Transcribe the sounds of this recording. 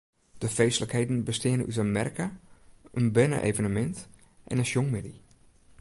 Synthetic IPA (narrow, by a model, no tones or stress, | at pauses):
d̥əfejsləkhejdn̩bəstɪənənytəmɛrkaʔənbɛnə̰ʔḛjvənəmɛnt | ʔɛ̰nənʃjoŋmɪdi